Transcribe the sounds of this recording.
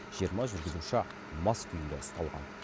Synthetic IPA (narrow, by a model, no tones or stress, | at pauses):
ʒijəɾmɑʒʏɾɡʲɪzuʃə | mɑsk̪ʲʰʏjɪmd̪eəst̪ɑlˠʁɑ̰n